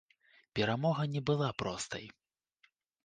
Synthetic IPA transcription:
pʲɛɾamɔɣɐnʲɛbɨlˠapɾɔst̪ɐ̰j

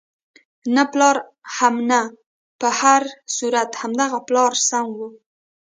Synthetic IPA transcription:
naplɑɾ | hamna | pəhaɾsuɾat̪hamd̪aɣaplɑɾsaŋɡwu

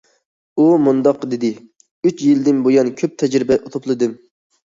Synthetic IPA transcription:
umund̪ɑqd̪ɪd̪ɪ | yt͡ʃjild̪ɪnbojɑnkʲʰøp̚t̪ʰɛd͡ʒɾɪbɛʔut̪ʰʊplˠɨd̪ɨm

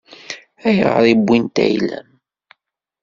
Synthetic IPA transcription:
æjəʁəðˤibʷːint̪æ̰jlæ̰m

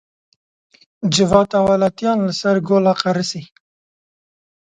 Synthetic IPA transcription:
d͡ʒɪvɑːt̪awalat̪jɑnlasaɾɡolaqaɾəsi

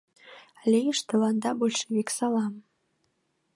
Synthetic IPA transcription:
lʲejəʂt̪ɤ̆lɑnd̪ɑbolʲʃeβʲeksɑlˠɑm

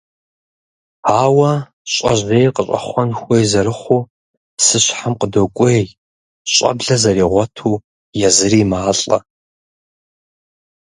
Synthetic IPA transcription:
aːwɐ | ɕʼɐ̰ʑeːjqəɕʼɐ̰χʷɔnxʷejzɐɾɨχʷuː | sɨɕħamqədokʷʼe | ɕʼɐ̰bɮɐzɐɾiːʁʷɔtʰuː | jɛzɨriːmaːɬʼɐ̰

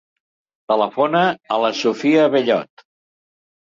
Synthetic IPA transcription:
t̪ələfonəːləsufiəβeʎɔ̰t̪

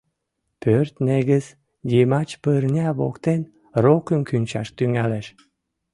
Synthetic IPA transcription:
pørt̪neɣəz | dimɑt͡ɕpərnʲæβo̰kt̪en | rokənkynʲt͡ɕɑ̰ʃt̪yŋæleʃ

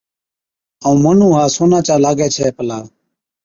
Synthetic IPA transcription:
əũːmənũːɦaːsoːnãːt͡ʃaːlaːɡɛːt͡ʃʰɛːpəlaː

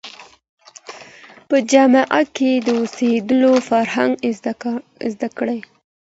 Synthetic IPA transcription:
pəd͡ʒamaʔat̪̚ked̪əosed̪əlofaɾhaŋɡ | zd̪akəɽaj

